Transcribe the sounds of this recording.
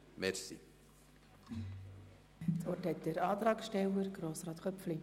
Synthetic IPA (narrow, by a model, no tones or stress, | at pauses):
mɛɾsḭ | t͡sɔrthɛt̚dəɾɑːt̪ɾɑːksʃtɛwəɾɡɾoːsrɑːt̪kœpfli